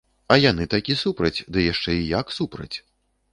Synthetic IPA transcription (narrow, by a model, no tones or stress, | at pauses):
ɐjanɨt̪akʲisupɾɐt͡sʲd̪ɨjaʂt͡ʂɛijaksupɾɐ̰t͡sʲ